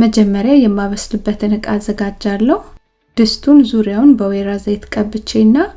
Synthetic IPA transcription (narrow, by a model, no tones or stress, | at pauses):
məd͡ʒɛmːəɾjajɛmːaβəslɨbːət̪ʰɨnɨkʼazːəɡad͡ʒːalːəh | d̪̥ɨst̪ʰunzuɾjawnbəweɾazajt̪kʼəbɨt͡ʃːenːa